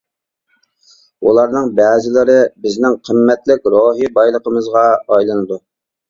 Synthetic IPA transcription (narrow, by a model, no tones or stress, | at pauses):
ulˠɑɾnɨŋbɛːzɪlɪɾɪbɪznɪŋqʰəmːɛt̪lɪk̚ʲɾoɦibɑjlˠəqʰəmɨzʁɑɑjlˠɨnɨd̪u